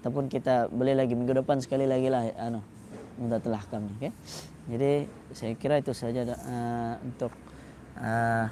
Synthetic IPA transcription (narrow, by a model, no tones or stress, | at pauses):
at̪awpʊnkit̪abolɪhlaɡimiŋɡudəpansə̥kalilaɡilahʔano | mud̪at̪əlahkamɲakan | d͡ʒadi | sajakiɾait̪usad͡ʒaəṵnt̪ʊk̚ | ə